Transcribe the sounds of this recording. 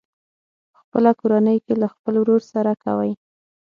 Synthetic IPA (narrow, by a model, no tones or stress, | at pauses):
əxpəlakoɾanəjkelaxpəlwɾoɾsaɾaka̰wəj